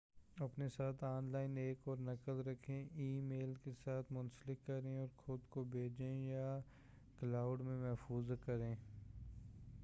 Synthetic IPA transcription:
ɐpnesaːt̪ʰaːnlaːɪneːkɔːɾnɐkəlɾɐkʰːẽʔiːmeːlkesaːt̪ʰmʊ̃nsəlɪkːɐɾẽɔːɾxʊd̪kobʱeːd͡ʒẽja | klaːʊɖmẽmɛɦfuːzkɐɾẽː

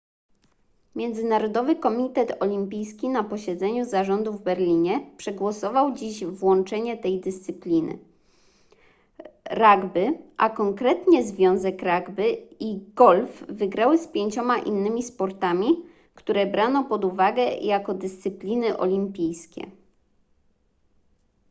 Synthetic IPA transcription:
mʲjɛnd̪zɘnaɾɔd̪ɔvɘkɔmʲit̪ɛt̪ɔlʲimpʲijskʲinapɔɕɛd̪zɛɲuzaʐɔnd̪uvbɛɾlʲiɲɛpʂɛɡwɔsɔvawd͡ʑiʑvwɔnt͡ʂɛɲɛt̪ɛjd̪ɘst̪sɘplʲinɘ̰ | ɾaɡbɘʔakɔŋkɾɛt̪ɲɛzvʲjɔ̃w̃zɛkɾaɡbɘiɡ̥ɔlfːɘɡɾawɘspʲjeɲt͡ɕɔmaʔḭnːɘmʲispɔɾt̪amʲi | kt̪uɾɛbɾanɔpɔd̪uvaɡɛjakɔd̪ɘst̪sɘplʲinɘʔɔ̰lʲimpʲijskʲɛ̰

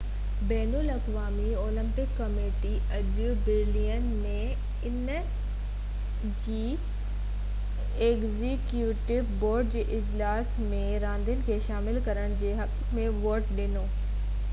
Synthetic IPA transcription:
bɛːnulɐkʋaːmioːlɪ̃mpɪkːɐmeːʈi | ɐdjubɪɾliːənmẽ | ɪn | d͡ʑiː | eːɡzikjuːʈɪʋboːɾɖ̚d͡ʑeːʔɪd͡ʑlaːsmẽɾãːnd̪ənɪ̆kʰeːʃaːmɪlkɐɾəɽ̃d͡ʑeːɦɐk | mẽʋoːʈɗɪnoː

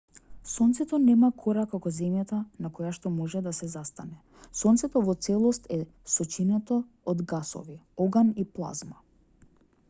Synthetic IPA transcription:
sɔnt̪sɛt̪ɔnɛmakʰɔɾakakɔzɛmjat̪anakɔjaʃt̪ɔmɔʒɛd̪asɛzast̪anɛ | sɔnt̪sɛt̪ɔvɔt̪sɛlˠɔst̪ɛ | sɔt͡ʃinat̪a | ɔd̪ɡasɔ̰viɔɡaniplˠa̰zma

